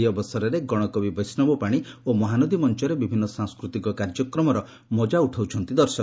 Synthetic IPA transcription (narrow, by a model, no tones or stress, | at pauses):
iɔbɔsɔɾɔɾeɡɔɽ̃ɔkɔbibɔjsnɔbɔpaɽ̃iomɔɦanɔd̪imɔnt͡ʃɔɾebibʱinːɔsãŋskɾut̪ikɔkaɾd͡ʒɔkɾɔmɔɾɔ | mɔd͡ʒauʈʰawt͡ʃʰɔnt̪id̪ɔɾsɔk